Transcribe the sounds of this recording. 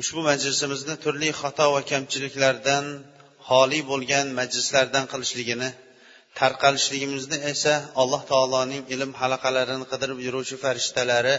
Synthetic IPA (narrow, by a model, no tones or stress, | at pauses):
ʊʃbʊmad͡ʒlɪsɪmɪznɪt̪ʰʊɾlɪχɒt̪ʰɒvakʲʰamt͡ʃʰɪlɪkʲlaɾd̪an | hɒːlˠibolˠɡʲanmad͡ʒlɪslaɾd̪anqʰɨlˠɪʃlɪɡʲɪnɪ | t̪ʰaɾqʰɑlɪʃlɪɡʲɪmɪznɪesaɒlˠːɒht̪ʰɒːlˠɒnɪŋɪlɪmhalˠɑqʰɑlaɾɪnɪqʰɨd̪ɪɾɪpjʊɾuwt͡ʃʰɪfaɾɪʃt̪ʰalaɾɪ